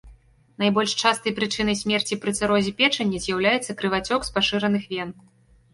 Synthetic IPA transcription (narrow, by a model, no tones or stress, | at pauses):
najbɔlʲʂt͡ʂast̪ɐjpɾɨt͡ʂɨnɐjsʲmʲɛrt͡sʲipɾɨt̪sɨɾɔzʲɛpʲɛt͡ʂɐnʲːɛzʲjawlʲajɛt̪sːɐkɾɨvat͡sʲɔkspaʂɨɾɐnɨxvʲɛn